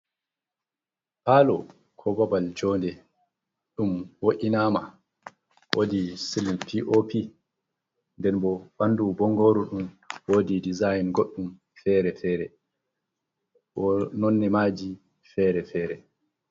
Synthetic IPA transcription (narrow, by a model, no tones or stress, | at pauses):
paːlɔ | kʰɔbabald͡ʒɔndɛ | ɗumwoʔʲinaːma | wodisilinpʰiʔopʰi | ndɛnbɔbandubɔŋɡoːɾuɗum | woːdidizajnɡoɗːum | fɛːɾɛfɛːɾɛ | ɔnɔnːɛmaːd͡ʒi | fɛɾɛfɛːɾɛ